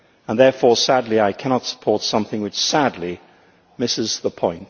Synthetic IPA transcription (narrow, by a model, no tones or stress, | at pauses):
ə̃nðɛɹfɔɹsædˡliaɪkʰæñɑtsə̥pʰɔɹtsʌ̃mθɪ̃ŋwɨt͡ʃsædˡli | mɪsɪzðəpʰɔ̃ɪ̃nt